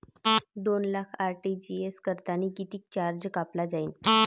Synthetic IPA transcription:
d̪onlakʰaɾʈid͡ʑieskəɾt̪anikit̪iːk̚t͡ɕaɾd͡ʑkaplad͡zaiːn

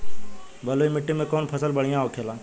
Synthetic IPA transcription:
bəloːimɪʈːimẽkoːnpʰəsəlbəɽ̤ijãoːkʰeːlãː

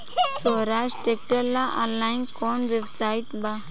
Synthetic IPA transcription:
sɔɾad͡ʒʈek̚ʈəɾlaʔɔ̃nlajnkɔnʋebsaiʈ̪ba

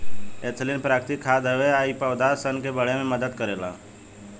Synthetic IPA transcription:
eːt̪ʰlinpɾaːkɾt̪ikʰːaːd̪ɦəʋeaːipəʋd̪aːɾsənkebəɽemẽməd̪əd̪kəɾeːla̰ː

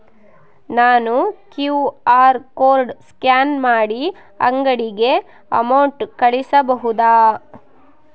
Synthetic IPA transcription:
naːnukjuːaːɾkoːɾɖskjaːnmaːɽi | ɐ̰ŋɡɐɽiɡe̞ | ɐ̰mɐwɳʈkɐɭisɐbɐɦud̪aː

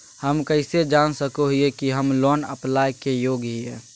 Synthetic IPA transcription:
həmkəɪsed͡ʒaːnsəkoɦiekiɦəmlɔːnə̰plaːjkejoːɡɦiɛː

